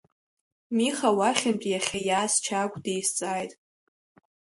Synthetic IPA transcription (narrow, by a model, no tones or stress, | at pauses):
miχawaχʲɪmpʼjaχʲajaːst͡ʃʰakʷʼdejst͡sʼaːjtʼ